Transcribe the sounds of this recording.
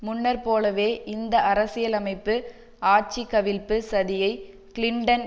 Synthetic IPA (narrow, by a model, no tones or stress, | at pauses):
mʊnːɐɾpoːlɐʋeːʔɪnd̪ɐʔɐɾɐsɪjɐlɐmɐɪpːɯ | aːʈ̚t͡ʃːikːɐʋɪlpːɯsɐðɪjɐɪ | kɪlɪɳɖɐn